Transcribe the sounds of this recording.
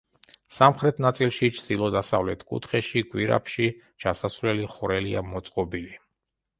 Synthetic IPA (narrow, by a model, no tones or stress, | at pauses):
samχɾɛt̪ʰnat̪sʼilˠʃit͡ʃʰd̪ilˠɔd̪asavlɛt̪ʰkʼṵt̪ʰχɛʃikʼwiɾa̰pʰʃi | t͡ʃʰasasvlɛliχuɾɛlia̰mɔt̪sʼqʼɔbili